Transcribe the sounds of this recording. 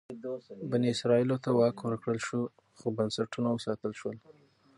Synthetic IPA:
baniɪsɾɑilot̪awɑkwəɾkɽəlʃu | xobansaʈunawəsɑt̪əlʃwəl

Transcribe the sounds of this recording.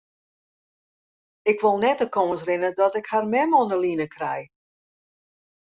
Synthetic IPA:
ɪkʋolˠnɛtəkoːəns̬rɪnədɔtɪkharmɛmɔnəlinəkrɛj

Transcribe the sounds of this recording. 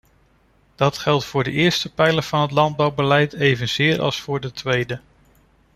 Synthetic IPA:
d̥ɑtχɛlˠtfʊːɹdəʔɪːɹstəpɛjləv̥ɑnɦətlɑnd̚bɑwbəlɛjtejvənz̥ɪːɹɑ̰lˠsfʊːɹdətʋejdə

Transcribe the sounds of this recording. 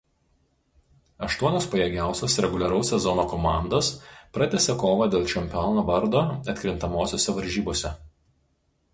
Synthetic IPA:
ɐʃt̪uɔnʲoːspɐjɛɡʲæˑʊsʲoːsɾʲɛɡʊlʲɛɾɐʊsʲːɛzɔnoːkɔmɑˑnd̪oːspɾɐt̪ʲɛsʲɛkoːʋɐd̪ʲeːlˠt͡ʃʲɛmʲpʲɔnoːʋɐɾd̪oːɐt̪ʲkʲɾʲɪnt̪ɐmoːsʲoːsʲɛʋɐɾʲʒʲiːboːsʲɛ

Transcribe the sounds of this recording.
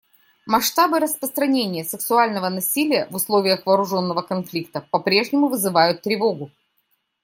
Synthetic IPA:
mɐʂt̪abɨɾəspɾəst̪ɾɐnʲenʲɪjəsɨksʊalʲnəvənɐsʲilʲɪjəvʊslˠo̞vʲɪjəxvɐːɾʊʐo̞nːəvəkɐnflʲik̚t̪əpɐpɾʲe̞ʐnʲɪmʊvɨzɨvajʊt̪ːɾʲɪvo̞ɡʊ

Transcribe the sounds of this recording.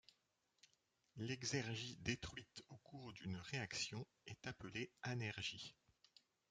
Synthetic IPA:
lɛɡzɛʁʒid̪et̪χɥit̪okuʁd̪ynʁeaksjɔ̃ | ɛt̪apəleanɛʁʒi

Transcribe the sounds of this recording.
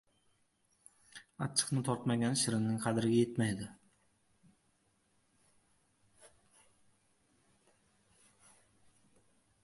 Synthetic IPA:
at͡ʃʰːɨ̥qnɪt̪ʰɒɾt̪maɡʲanʃɪɾɪnnɪŋqʰɑd̪ɪɾɪɡʲajet̪majd̪ɪ

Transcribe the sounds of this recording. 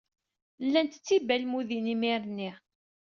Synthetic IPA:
lːænt̪ə̥t͡sːibælmuðinimiɾnːi

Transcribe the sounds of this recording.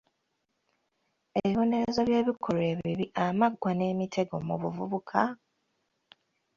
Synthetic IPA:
eβiβo̞ne̞ɾezo̞βje̞ːβikʰo̞ɾe̞ːβiβiamaɡwane̞ːmitʰe̞ɡo̞muβuvuβukʰa

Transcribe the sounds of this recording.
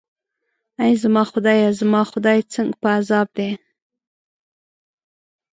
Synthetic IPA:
ajzamɑxʊd̪ɑjazamɑxʊd̪ɑjt͡səŋɡpəazɑb̚d̪e

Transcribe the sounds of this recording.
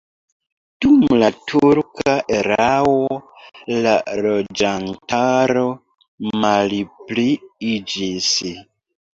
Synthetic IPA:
d̥umlatʰuɾkaʔeɾawolaɾo̞d͡ʒantaɾo̞ | malpliid͡ʒis

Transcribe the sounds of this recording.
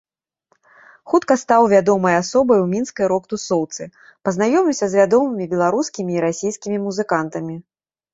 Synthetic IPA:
xut̪kɐst̪awvʲad̪ɔmɐjasɔbɐjwmʲinskɐjɾɔkt̪usɔwt̪sɨ | pɐznajɔmʲiwsʲɐzvʲad̪ɔmɨmʲibʲɛlˠaɾuskʲimʲiːɾasʲijskʲimʲimuzɨkant̪ɐmʲi

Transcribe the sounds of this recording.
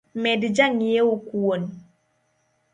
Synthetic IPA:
mɛdd͡ʒaŋijeokuwon

